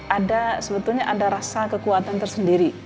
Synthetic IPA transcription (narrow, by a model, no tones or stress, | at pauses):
ʔadasəbət̪ulɲaʔadaɾasakəkuat̪ant̪ərsəndiɾi